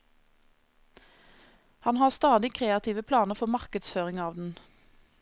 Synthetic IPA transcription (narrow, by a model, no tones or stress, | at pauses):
hɑnhɑːʁst̪ɑːd̪ɪkʰʁeːɑt̪ʰiːʋəpʰlɑːnəʁfɔmɑʁkəd̪sføːʁɪŋɑːʋd̪n̩